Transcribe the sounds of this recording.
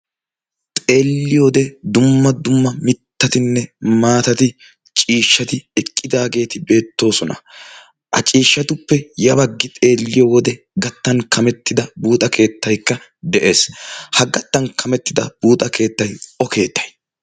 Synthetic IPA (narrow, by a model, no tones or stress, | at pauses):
t̪ʼe̞ːlːɪjoːd̪ɛd̪ʊmːɐd̪ʊmːɐmɪt̪ːɐt̪ɪnːɛmaːt̪ɐt̪ɪ | t͡ʃʼiːʃːɐt̪ɪɛkʼːɪd̪aːɡe̞ːt̪ɪbe̞ːt̪ːo̞ːsɔnɐ̰ | ʔɐ̰t͡ʃʼiːʃːɐt̪ʊpːɛjɐβɐɡːɪt̪ʼe̞ːlːɪjowɔd̪ɛ | ɡɐt̪ːɐnkɐmɛt̪ːɪd̪ɐbuːt̪ʼɐkʰe̞ːt̪ːɐjkːɐ | d̪ɛʔe̞ːshɐɡɐt̪ːɐnkʰɐmɛt̪ːɪd̪ɐb̥uːt̪ʼɐke̞ːt̪ːɐjɔke̞ːt̪ːɐ̥j